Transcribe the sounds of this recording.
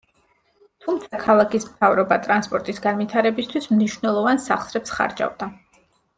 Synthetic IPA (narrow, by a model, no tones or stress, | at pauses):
t̪ʰumt̪sʰakʰalˠakʰismt̪ʰavɾɔbat̪ʼɾanspʼɔɾt̪ʼisɡanvit̪ʰaɾɛbist̪ʰwismniʃwnɛlˠɔvansaχsɾɛpsχa̰ɾd͡ʒa̰vd̪a